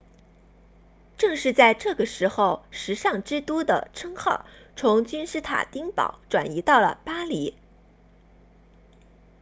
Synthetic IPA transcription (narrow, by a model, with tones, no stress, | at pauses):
ʈ͡ʂɤ˥˧ŋʂɻ̩˥˧t͡sa˥˧ɪʈ͡ʂɤ˥˩ɡə˩ʂɻ̩˧˥xo˥˧ʊʂɻ̩˧˥ʂɑ˥˩ŋʈ͡ʂɻ̩˥t̪u˥d̪ə̰˨˩ʈ͡ʂʰɤ˥ŋxɑ˥˩ʊt͡sʰʊ˧˥ŋt͡ɕy˥nʂɻ̩˥t̪ʰa̰˨˩t̪i˥ŋpɑ̰˨˧˩ʊʈ͡ʂwa̰˨˩ni˧˥t̪ɑ˥˩ʊlə̰˩pa˥li˧˥